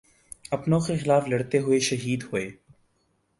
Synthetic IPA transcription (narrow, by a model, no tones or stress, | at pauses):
ɐpnõːxexɪlaːflɐɽt̪eɦʊeʃəɦiːd̪hʊeː